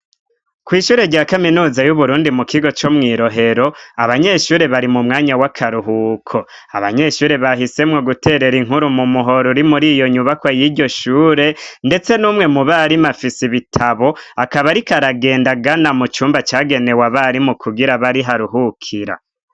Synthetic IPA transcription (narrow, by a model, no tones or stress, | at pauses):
kwiːʃuːɾe̞ɾɟaːkaminuːzajuβuɾuːndimukʰiɡo̞t͡ʃo̞mŋiːɾo̞ɦe̞ɾo̞aβaɲe̞ʃuːɾe̞βaɾimumŋaːɲawakʰaɾuɦukʰo̞ | a̰βaɲe̞ʃuːɾe̞βaɦise̞mŋo̞ɡute̞ɾe̞ɾiŋɦuɾumumuɦo̞ɾuɾimuɾijo̞ɲuβakwajiːɟo̞ʃuːɾe̞nde̞t͡se̞nuːmŋe̞muβaɾimafisiβitʰaβo̞akaβaɾikaɾaɡe̞ːndaɡanamut͡ʃuːmbat͡ʃaːɡe̞ne̞waβaɾimukʰuɡiɾaβaɾiɦaɾuɦukʰiɾa̰